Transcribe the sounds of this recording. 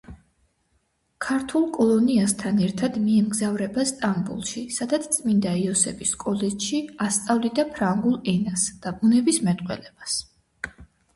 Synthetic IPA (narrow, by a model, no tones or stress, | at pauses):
kʰaɾt̪ʰulˠkʼɔlˠɔniast̪ʰanɛɾt̪ʰad̪miɛmɡzavɾɛbast̪ʼambṵlˠʃisad̪at̪sʰt̪sʼmind̪aiɔsɛ̰biskʼɔlɛt͡ʃʃiast̪sʼavlid̪apʰɾaŋɡulˠɛnasd̪̥abunɛbismɛt̪ʼqʼwɛ̰lɛbas